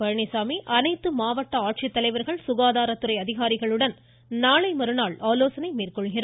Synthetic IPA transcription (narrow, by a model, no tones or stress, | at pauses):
pɐɾɳɪsaːmiʔɐnɐɪt̪ːɯmaːʋɐʈːɐaːʈʂɪt̪ːɐlɐɪʋɐɾɣɐɭsʊɣaːðaːɾɐt̪ːɯɾɐɪɐðɪɣaːɾɪɣɐɭɯɽɐn | naːɭɐɪmɐɾɯnaːɭaːloːsɐnɐɪmiːrkɔɭɣɪrɐ